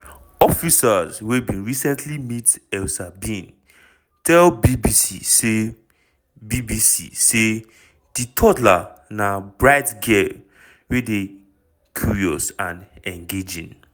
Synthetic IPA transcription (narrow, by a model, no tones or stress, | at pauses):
ɔfisazwebĩnɹisɛ̃ntʰlimitɛlsabĩn | tʰɛlbibisḭse | bibisḭse | d̥itʰɔtlanabɹaɪtɡel | wede | kʰjuɹiɔ̰sãnɛ̃nɡed͡ʒḭ̃n